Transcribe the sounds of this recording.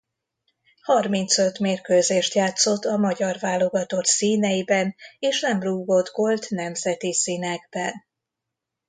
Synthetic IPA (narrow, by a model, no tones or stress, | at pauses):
hɒrmint̪sø̞t̪meːrkøːzeːʃt̪jaːt̪so̞t̪ːɒmɒɟɒrvaːlːo̞ɡɒt̪o̞ksiːnɛjibɛneːʃnɛmruːɡo̞d̪ɡo̞lt̪nɛmzɛt̪isiːnɛɡbɛn